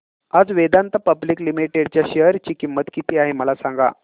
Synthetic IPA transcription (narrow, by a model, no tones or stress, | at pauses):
ad͡zʋed̪ant̪əpəbliklimiʈeɽt͡ɕjaɕeəɾt͡ɕiːkimːət̪kit̪iaɦeməlasaŋɡa